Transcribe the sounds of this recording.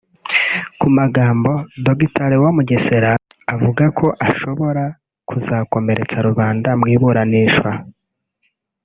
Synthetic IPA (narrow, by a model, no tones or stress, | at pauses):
kumaɡaːmbo̞doɡitaɾewamuɟeseɾaː | vuɡakʰo̞ʔaʃo̞βo̞ɾa | kuzaːko̞me̞ɾʔe̞t͡saɾuβaːndamŋiːβuɾaniʃwa